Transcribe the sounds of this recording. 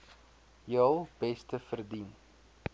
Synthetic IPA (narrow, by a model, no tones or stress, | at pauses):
jəlˠb̥ɛstəfərdin